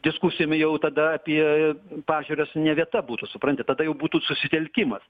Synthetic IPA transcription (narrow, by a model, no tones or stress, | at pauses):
d̪ʲɪskusʲɪjoːmʲɪjɛʊt̪ɐd̪ɐɐpʲiɛpɑːʒʲuːɾʲosnʲɛʋʲiɛt̪ɐbuːt̪usʊpɾɐnʲt̪ʲɪt̪ɐd̪ɐjɛʊbuːt̪uːsʊsʲɪt̪ʲɛlʲkʲɪmɐs